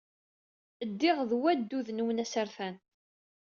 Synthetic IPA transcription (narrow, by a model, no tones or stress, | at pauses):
əd̪ːɪʁðwæd̪ːuðnuwənæsəɾθæn